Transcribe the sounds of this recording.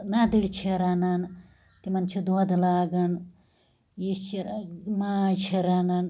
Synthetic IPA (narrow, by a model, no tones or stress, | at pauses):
nad̪iɽt͡ʃʰiɾanan | t̪imɐnt͡ʃʰud̪uɐd̪laːɡɐn | jist͡ʃʰiɾmaːt͡ʃʰiɾanan